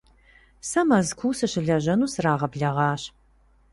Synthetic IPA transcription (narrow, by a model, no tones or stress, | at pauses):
sɐmɐzkʷʰuːsɨɕɪɮɐʑɐnuːsraːʁɐbɮɐʁɑːɕ